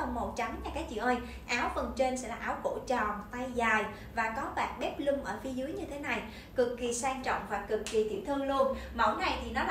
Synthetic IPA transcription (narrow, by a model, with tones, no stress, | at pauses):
ə˨˧˩ŋ͡mmo˨˩t̚t͡ɕa˨˦mɲaː˨˩kaː˨˦jt͡ɕḭ˧˨wʔəː˧j | ʔaː˨˦wfə˨˩nt͡ɕe˧nsɛ̰˧˥laː˨˩ʔːwko̰˧˩t͡ɕɔ˨˩nt̪a˧jzaː˨˩j | vaː˨˩kɔ˨˦ɓa̰ː˨˩nɓɛ˦˥p̚lɨ˧mʔəː˧˩fi˨˦zɨ˨˦əjɲɨ˧t̪ʰe˨˦na˨˩j | kɨ˨˩kːi˨˩saː˧nt͡ɕɔ̰˧˨wŋ͡mhwaː˨˩kːɨ˨˩kːi˨˩t̪ʰḭ˧˩t̪ʰɨ˧əŋlu˧ənmə̰˧˩wna˨˩jt̪ʰi˨˩nɔ˨˦l